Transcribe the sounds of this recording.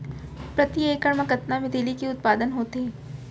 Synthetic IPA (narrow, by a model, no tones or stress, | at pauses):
pɾɐt̪ieːkəɽmɐkɐt̪namɪd̪eːlikeʊt̪̚paːd̪ənɦoːt̪eː